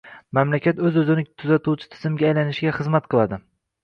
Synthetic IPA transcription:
mamlakʲat̪ɵzɵzɪnɪt̪ʰʊzat̪ʰuwt͡ʃʰɪ̥t̪ʰɪzɪmɡʲaːjlanɪʃɪɡʲaχɨzmat̪̚qʰɨlˠad̪ɪ

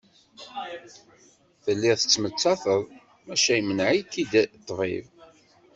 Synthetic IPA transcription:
θəlːɪʁθə̥t͡sːmət͡sːɑθəðˤ | mæʃæjmənʕitːid̪t̪ˤːvḭv

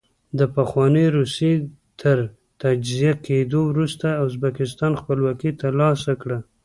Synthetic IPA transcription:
d̪əpaxwɑnəɾuse | t̪ʰəɾ | t̪ad͡ʒzijakʰed̪owɾust̪aʊs̬bakɪs̬t̪ɑnxpəlwɑkit̪alɑsakɽa

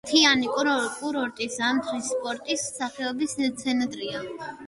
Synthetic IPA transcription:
t̪ʰianikʼuɾkʼuɾɔɾt̪ʼisamt̪ʰɾispʼɔɾt̪ʼissaχɛɔbisɛt̪sʰɛnd̪ɾia

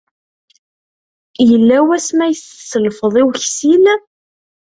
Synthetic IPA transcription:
jəlːæwæsmæjəssəlfəðˤiwçsil

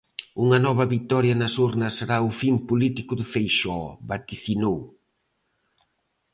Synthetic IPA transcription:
uŋɐnɔβɐβit̪ɔɾjɐnɐsuɾnɐsːeɾaʊfimpolit̪ikʊðʊfejʃɔβat̪iθinow

